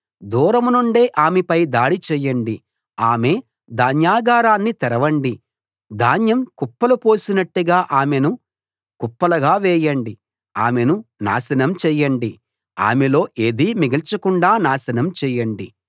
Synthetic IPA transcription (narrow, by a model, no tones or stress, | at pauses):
d̪uːɾɐmunuɳɖeːʔaːmepɐjd̪aːɽit͡ʃɛːjɐɳɖi | aːme̞ː | d̪aːnjaːɡaːɾaːnːit̪ɛɾɐʋɐɳɖi | d̪aːnjɐmkupːɐlupo̞ːsinɐʈːuɡaːʔaːmenu | kupːɐlɐɡaːʋɛːjɐɳɖi | a̰ːmenuna̰ːsɐnɐmt͡ʃɛːjɐɳɖi | a̰ːmelo̞ːʔeːd̪iːmiɡɐlt͡ʃɐkuɳɖaːnaːsɐnɐmt͡ʃɛːjɐɳɖi